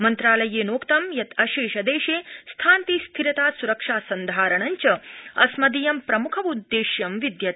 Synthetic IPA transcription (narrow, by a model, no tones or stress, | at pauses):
mɐnt̪ɾaːlɐjeːnoːkt̪ɐmjɐt̪ɐʃiːʃɐd̪eːʃeːst̪ʰaːnt̪iːst̪ʰiɾɐt̪aːsuɾɐkʂaːsɐnd̪ʱaːɾɐɳɐɲt͡ʃɐɐsmɐd̪ijɐmpɾɐmukʰɐʋud̪ːeːʃjɐmʋid̪jɐt̪